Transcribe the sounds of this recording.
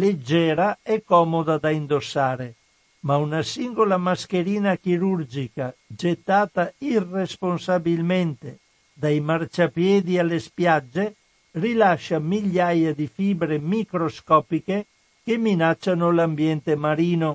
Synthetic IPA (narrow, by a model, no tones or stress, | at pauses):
led͡ʒːɛːɾaɛkːɔːmod̪ad̪aind̪osːaːɾe | maunasiŋɡolamaskeɾiːnakiɾuɾd͡ʒikad͡ʒet̪ːaːt̪airːesponsabilment̪e | d̪ajmart͡ʃapjɛːd̪ialːespjad͡ʒːe | rilaʃːamiʎːajad̪ifiːbɾemikɾoskɔːpike | k̟emːinat͡ʃːanolambjɛnt̪emaɾiːno